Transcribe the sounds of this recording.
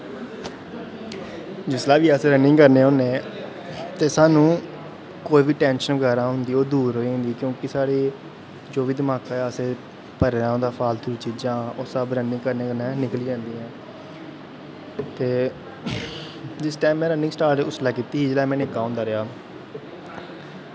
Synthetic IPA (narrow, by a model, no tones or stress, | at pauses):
d͡ʒɪslaːʋiːəseːɾənɪ̃ŋɡkəɾneːɦõnẽː | t̪eːsaːnũː | koːiːʋiːʈɛ̃ːnʃənʋəɡaːɾãːɦʊnd̪iːoːd̪uːɾɦoːiɦʊ̃nd̪iːkjõːkɪsaːɽeː | d͡ʒoːʋiːd̪əmaːkaːəseː | pəɾɾãːd̪aːpʰaːlt̪ʰʊɾiːt͡ʃiːd͡ʒãːoːsəbɾənɪ̃ŋɡkəɾneːkəɾnɛːnɪkəliːd͡ʒãːnd̪iːɛ̃ː | t̪eː | d͡ʒɪsʈaːɪmːɛ̃ːɾənɪ̃ŋsʈaːɾʈʊslaːkiːt̪iːɦiːd͡ʒlaːmɛ̃ːnɪkːaːɦʊ̃ːnd̪aːɾɪɦaː